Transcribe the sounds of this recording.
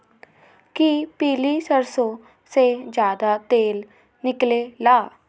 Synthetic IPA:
kipiːliːsəɾsõː | seːd͡ʒjaːd̪aːt̪eːl | nɪkleːlaː

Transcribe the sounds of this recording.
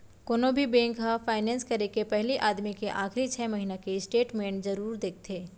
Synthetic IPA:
koːnõbʱibɛ̃ːŋkafʰaːɪnɛ̃ːnskɐɾekepɛɦliʔaːd̪mikeʔaːxɾit͡ʃʰɛːmɐɦiːnakeɪsʈeːʈmẽːɳʈzɐɾuːɾd̪eːk̚ʰt̪ʰeː

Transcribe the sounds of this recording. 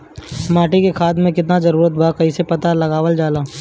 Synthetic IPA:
maːʈikekʰaːd̪mẽkɪt̪̬nazɐɾuːɾət̪̚bʱakɐisepɐt̪alɐɡaːʋəld͡ʒaːlaː

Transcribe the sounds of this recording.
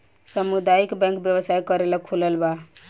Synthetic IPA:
səmud̪ajikbɛ̃ŋkbjəbəsajkəɾeləkʰuləlba

